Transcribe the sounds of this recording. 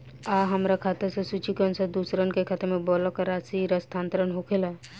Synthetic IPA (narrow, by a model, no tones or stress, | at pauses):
aɦəmɾakʰat̪əɾsẽsut͡ʃikənsəd̪usɾənkekʰat̪əɾmebɔlɔkaɾasiɾəst̪ʰãːnt̪ɾənɦokʰela